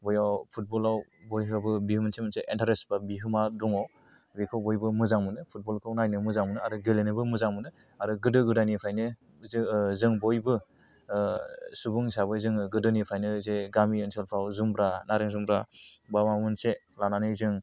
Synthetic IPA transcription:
bɔjawpʰut̚bɔlawbojɦɯbɯbihɯmɯnsemɯnseʔentʰaɾesbabiɦɯmaduŋɔ | bikʰɯwbojbɯmɯzaŋmɯnɯpʰut̚bɔlkʰɯwnajnɯmɯzaŋmɯnɯaɾɯɡelenɯbɯmɯzaŋmɯnɯ | aɾɯɡɯdɯɡɯdajnipʰɾajnɯ | zɯŋbojbɯ | subuŋsaβɯzɯŋɯɡɯdɯnipʰajnɯzeɡamiensʰelpʰawzumbɾanaɾɯŋzumbɾabamamɯnse | lananɯjzɯŋ

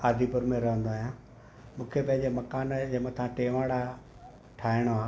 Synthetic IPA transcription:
aːd̪ʱipɐɾmẽɾɐɦə̃nd̪oaːɦjã | mũːkʰepɐ̃ɦɪ̃ɲd͡ʑemɐkaːnd͡ʑɐmə̃t̪ʰãʈeːʋaːɽa | ʈʰaːɪɽ̃oɦãː

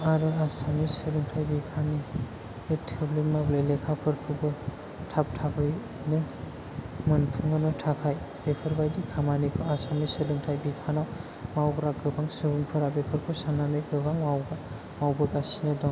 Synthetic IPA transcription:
aɾɯasamisɯlɯŋtʰajbikʰani | ɯtʰeblimablelekʰapʰɯɾkʰɯbɯ | tʰap̚tʰabɯj | nɯ | mɯntʰuŋɯnɔtʰakʰaj | b̥epʰɯɾbajdikʰamanikʰɯasamisɯlɯŋtʰajbikʰanaw | mawɡɾaɡɯbaŋsɯbuŋpʰɯɾabepʰɯɾkʰɯsananɯjɡɯbaŋmawɡa | mawbɯɡasinɯdɔŋ

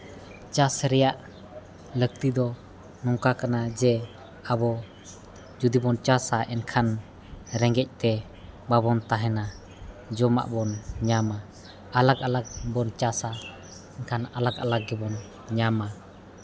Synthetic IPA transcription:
t͡ʃasɾɛjaʔ | lək̚t̪id̪ɔ | nɔŋkakanad͡ʒɛ | abɔ | d͡ʒud̪ibɔnt͡ʃasaʔɛnkʰan | ɾɛŋɡɛc̚ˀt̪ɛ | babɔnt̪aɦɛna | d͡ʒɔma̰ʔbɔnɲamaː | lakalak̚bɔnt͡ʃasa | ɛnkʰanalaka̰lak̚ɡɛbɔn | ɲama

